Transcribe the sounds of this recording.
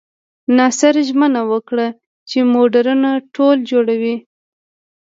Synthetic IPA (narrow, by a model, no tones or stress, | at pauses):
nɑsɪɾʒmənawəkɽa | t͡ʃemoɖaɾunaʈʰold͡ʒoɽawi